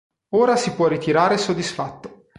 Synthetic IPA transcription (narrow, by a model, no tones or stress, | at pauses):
oːɾasipwɔrːit̪iɾaːɾesod̪ːisfat̪ːo̥